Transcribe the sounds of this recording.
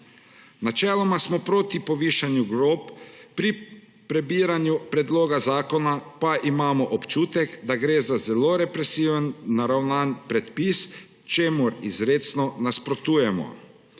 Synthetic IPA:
nat͡ʃɛːlɔmasmɔpɾoːt̪ipɔʋiːʃanjuɡɾopːɾi | pɾɛbiːɾanjupɾɛd̪loːɡazaːkɔnapaʔimaːmɔʔɔpt͡ʃuːt̪ɛkd̪aɡɾeːzazɛloɾɛpɾɛsiːʋənːaɾawnaːnpɾɛt̪pis | t͡ʃeːmuɾizɾeːt̪snɔnaspɾɔt̪uːjɛmɔ̰

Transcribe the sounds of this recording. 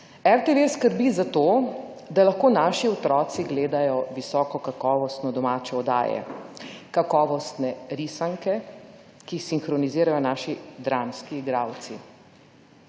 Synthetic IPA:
ɛɾt̪eʋeskəɾbizat̪oː | d̪alaxkoːnaːʃiɔt̪ɾɔːt̪siɡleːd̪ajɔʋisɔːkɔkakɔːʋɔst̪nɔd̪ɔmaːt͡ʃɛɔd̪a̰ːjɛ̰kakɔːʋɔst̪nɛɾisaŋkɛ | kixsiŋxɾɔniziːɾajɔnaːʃid̪ɾamskiːɡɾawt̪si

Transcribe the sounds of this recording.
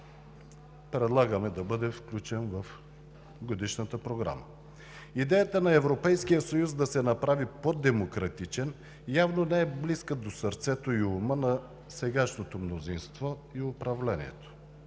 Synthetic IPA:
pɾɛd̪lˠaɡəmɛd̪ɐbɤd̪ɛfklʲut͡ʃɛnvəf | ɡod̪iʃnət̪əpɾoɡɾa̰mə̰ | id̪ɛjət̪ənɐɛvɾopɛjskijəsɐjuzd̪ɐsɛnɐpɾavipod̪ɛmokɾɐt̪it͡ʃɛn | javnonɛɛbliskəd̪osɐɾt̪sɛt̪oiʊmənɐ | sɛɡaʃnot̪omnozinst̪vɔ | iʊpɾɐvlɛnḭɛ̰t̪o̥

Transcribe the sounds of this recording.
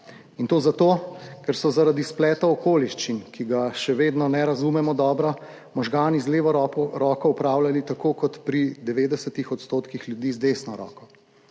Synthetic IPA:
int̪oːzat̪oːkɛɾsɔzaɾad̪isplɛːt̪aɔkoːliʃt͡ʃinkiɡaʃɛʋeːd̪nɔnɛɾazumɛmɔd̪ɔːbɾa | mɔʒɡaːnizleːʋɔɾɔːkɔupɾawlalit̪akokɔt̪pɾid̪ɛʋeːd̪ɛsɛt̪ixɔt̪st̪oːt̪kixljud̪izd̪eːsnɔɾɔ̰ːkɔ

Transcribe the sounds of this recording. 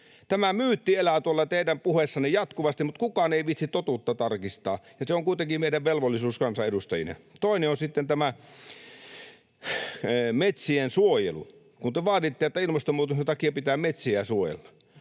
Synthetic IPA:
t̪æmæmyːt̪ːielæt̪uolːɑt̪eˑidæmpuhesːɑnejɑt̪kuʋɑst̪imut̪kukɑːneiʋit̪sit̪t̪ot̪uːˑt̪ːɑt̪ɑrkist̪ɑ̰ːjɑseoŋkuit̪eŋkimeˑiɾæʋʋelʋolːisuːskɑnsɑedust̪ɑjḭnḛt̪oˑineonsit̪ːent̪æmæ | met̪siensuojḛlṵ | kunt̪eʋɑːtit̪ːiet̪ːæilmɑst̪omuːt̪uset̪ɑkiɑpit̪æːmet̪siæsuojḛlːɑ̥

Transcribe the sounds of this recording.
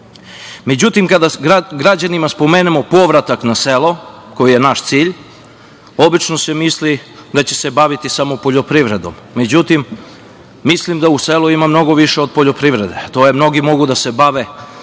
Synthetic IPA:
med͡ʑut̪imkad̪aɡɡɾad͡ʑanimaspo̞meːnemo̞po̞ʋɾat̪aknaselˠo̞ | ko̞jije̞naʃt̪siːʎ | o̞bit͡ʃnosemislid̪at͡ɕese̞baʋit̪isamopo̞ʎopɾiʋɾe̞d̪o̞̰mːe̞d͡ʑut̪imː | islimd̪auseluimamno̞ɡo̞ʋiʃeod̪̚po̞ʎo̞pɾiʋɾe̞d̪et̪ojemno̞ɡimo̞ɡud̪ase̞baʋe

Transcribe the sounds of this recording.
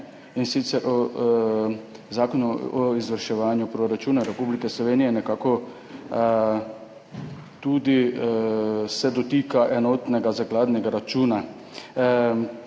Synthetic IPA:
insit̪sɛɾʔɔ | zaːkɔnɔɔizʋəɾʃɛʋaːnjupɾoɾat͡ʃuːnaɾɛpuːblikɛslɔʋeːnijɛnɛkaːkɔ | t̪ud̪i | sɛd̪ɔt̪ikaʔɛnɔːt̪nɛɡazaɡlaːd̪nɛɡaɾat͡ʃuːna

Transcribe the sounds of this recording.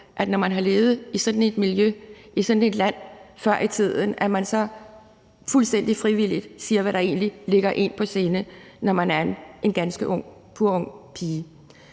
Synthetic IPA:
ʔæd̥nɒmænɦɑ̈leːð̩ˠisɒ̽d̥n̩e̝d̥miljøisɒ̽d̥n̩e̝d̥læn̰fɶɐ̰ʔit͡sʰið̰ˠən̩æmænsɒ̽ | fulsd̥en̰d̥ifʁiʋil̰id̥siːɐʋæɾɑ̈e̝̰ːnlile̝ɡ̥ɐʔe̝n̰pʰɒ̽seːnə | nɒmænæɐene̝nɡ̥ænsɡ̥əʔɔ̽ŋ̰ | pʰuɐɔ̽ŋ̰pʰiː

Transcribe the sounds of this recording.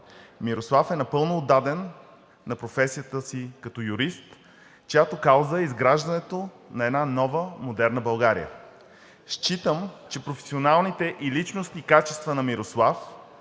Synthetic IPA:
miɾoslˠafɛnɐpɤlˠnoːd̪ːad̪ɛnː | ɐpɾofɛsijət̪əsikɐt̪ɔjuɾist̪ | t͡ʃojat̪okawˠzəizɡɾaʒd̪ɐnɛt̪o | nɐɛd̪nanɔvəmod̪ɛɾnəbɐlˠɡaɾḭə̰ | ʃt͡ʃit̪əmt͡ʃɛpɾofɛ̥sionalˠnit̪ɛʔilit͡ʃnost̪iːkat͡ʃɛst̪vənɐmiɾoslˠaf

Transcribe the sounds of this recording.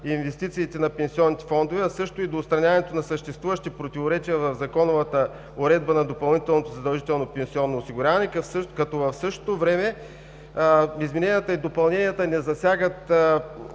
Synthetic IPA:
invɛst̪it̪siːt̪ɛnɐpɛnsiɔnːit̪ɛ̥fɔnd̪ovɛɐsɤʃt̪oid̪oːt̪st̪ɾɐnʲavɐnɛt̪onɐsəʃt̪ɛst̪vuvəʃt̪ipɾot̪ivoɾɛt͡ʃiəvɐvzɐkɔnovət̪ə | oɾɛd̪̚bənɐd̪opɐlˠnit̪ɛlˠnot̪ozɐd̪ɐlˠʒit̪ɛlˠnopɛnsiɔnːoːsiɡʊɾʲjavɐnɛkɐfsəkɐt̪ɔvɐfsɤʃt̪o̥t̪ovɾɛmɛ | izminɛnijət̪əid̪opɐlˠnɛnijət̪ənɛzɐsʲjaɡət̪

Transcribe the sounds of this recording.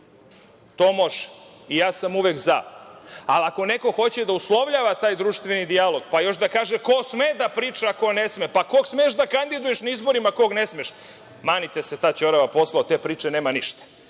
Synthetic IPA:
t̪oːmo̞ʒ | ijaːsamuʋeɡza | alako̞ne̞ko̞xo̞t͡ɕe̞d̪auslˠo̞ʋʎaːʋat̪aːjd̪ɾuʃt̪ʋenid̪ialo̞ɡpajo̞ʃd̪akaːʒekosmed̪apɾiːt͡ʃako̞nesmepakoɡsmeːʃd̪akand̪id̪ujeʃnaizbo̞ɾimako̞ɡne̞smeʃ | maːnit̪eset̪at͡ɕoɾaʋapo̞slˠaot̪e̞ːpɾiːt͡ʂeneːmaniʃt̪ḁ

